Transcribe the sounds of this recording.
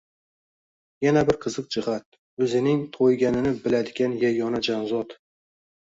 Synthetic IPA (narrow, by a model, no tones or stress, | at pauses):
janabɪɾqʰɨzɨq̚d͡ʒɪhat̪̚ | ɵzɪnɪŋt̪ʰojɡʲanɪnɪbɪlad̪ɪɡʲanjajɒnad͡ʒanzɒt̪